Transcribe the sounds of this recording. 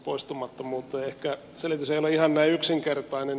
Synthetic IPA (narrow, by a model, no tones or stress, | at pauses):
poist̪umɑt̪ːomuːt̪ːˑeːehkæ | selit̪yseijoleihɑnnæiyksiŋkert̪ɑinen